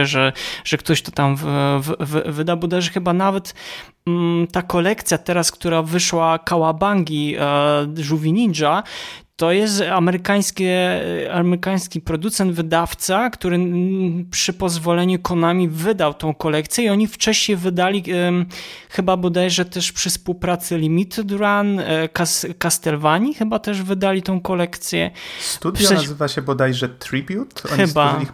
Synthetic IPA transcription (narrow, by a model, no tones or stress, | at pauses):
ɛʐɛʐ̥ɛkt̪ɔɕt̪ɔt̪amvvvvɘd̪awbɔd̪ajʐɛxɘbanavɛt̪ | t̪akɔlɛkt̪sʲjat̪ɛɾaskt̪uɾavɘʂwakawabaŋɡʲi | ʐuvʲiɲid͡ʐat̪ɔjɛst̪amɛɾɘkaj̃skʲɛamɛɾɘkaj̃skʲipɾɔd̪ut̪sɛnd̪vɘd̪aft̪sakt̪uɾɘpʂɘpɔzvɔlɛɲukɔnamʲivɘd̪awt̪ɔ̃w̃kɔlɛkt̪sʲjɛiɔɲift͡ʂɛɕɲejvɘd̪alʲi | xɘbabɔd̪ajʐɛt̪ɛʂpʂɘspuwpɾat̪sɘlʲimʲit̪d̪ɾankaskast̪ɛlvaɲixɘbat̪ɛʐvɘd̪alʲit̪ɔ̃w̃kɔlɛkt̪sʲjɛ̰st̪udʲʂaazɘvaɕɛbɔd̪ajʐɛt̪ɾibʲjut̪ɔxɘbaix